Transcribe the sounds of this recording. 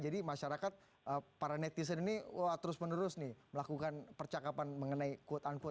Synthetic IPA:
d͡ʒadimaʃaɾakat̪̚ | əpaɾanɛt̪is̬əniniwaht̪əɾʊsmənuɾʊsnɪhməlakukanpərt͡ʃakapanməŋənaikuot̪ank̪

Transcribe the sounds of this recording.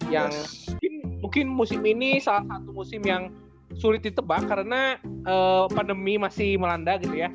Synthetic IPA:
jaŋmukɪnmuŋkɪnmusɪminisalahsat̪umusɪmjaŋ | suɾɪt̪̚dit̪əbakːaɾənaʔəːpandəmimasɪhməlandaɡit̪uja

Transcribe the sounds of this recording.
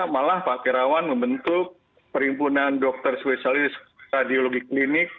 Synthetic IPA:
malahpaʔkiɾawanməmbənt̪ʊk̚ | pəɾimpunandɔk̚t̪ərspesalisradioloɡiklinɪk̚

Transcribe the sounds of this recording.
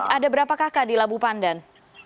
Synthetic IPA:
adabəɾapakakadilabupandan

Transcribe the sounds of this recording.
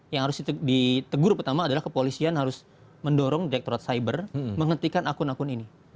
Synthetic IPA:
jaŋhaɾʊsidit̪əɡʊrpərt̪amaːdalahkəpolisianhaɾʊs | məndoɾɔŋdiɾɛk̚t̪oɾat̪̚saibərməŋənt̪ikanakʊnakʊnini

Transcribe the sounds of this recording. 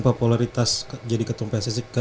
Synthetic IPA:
populaɾit̪asd͡ʒadikət̪umpɛsisikə

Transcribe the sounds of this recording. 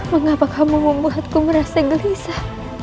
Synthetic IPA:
maŋapakamumumbuɦat̪̚kumaɾasaɡəlisa

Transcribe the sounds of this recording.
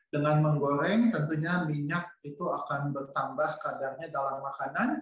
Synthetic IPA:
dəŋanməŋɡoɾɛŋt̪ənt̪uɲamiɲak̚it̪uakanbərt̪ambahkadarɲadalamːakanan

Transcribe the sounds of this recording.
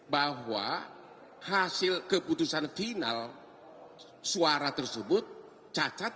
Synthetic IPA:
baɦwa̰ | hasɪlkəput̪usanfina̰l | suaɾat̪ərsəbʊt̪̚ | t͡ʃat͡ʃat̪̚

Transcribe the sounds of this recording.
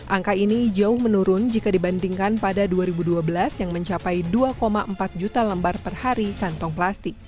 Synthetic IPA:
ʔaŋkainid͡ʒaʊhmənuɾʊnd͡ʒikadiband̪iŋkanpadaduaɾibuduabəlasjaŋməɲt͡ʃapajduakomaʔəmpat̪̚d͡ʒut̪aləmbarpərhaɾikant̪ɔŋplast̪ɪk̚

